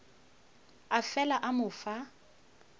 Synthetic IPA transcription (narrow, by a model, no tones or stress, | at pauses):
afɛlaʔamʊfa